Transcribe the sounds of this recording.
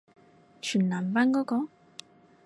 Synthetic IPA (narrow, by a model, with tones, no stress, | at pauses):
t͡ɕʰyː˨˩nlaː˨˩nfaː˧˥nkɔː˨˥kɔː˨˥